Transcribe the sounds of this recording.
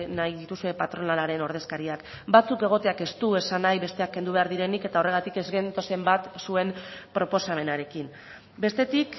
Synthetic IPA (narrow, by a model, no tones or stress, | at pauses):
najðit̪usue̞pat̪ɾo̞nalaɾe̞no̞ɾð̞e̞skaɾiak | bat͡suke̞ɣ̞o̞t̪e̞ake̞st̪ue̞sanajβe̞st̪e̞akːe̞nd̪uβ̞e̞aɾðiɾe̞nike̞t̪aore̞ɣ̞at̪ike̞zɣe̞nt̪o̞se̞mbat̪sue̞mpɾo̞po̞same̞naɾe̞kim | be̞st̪e̞t̪ik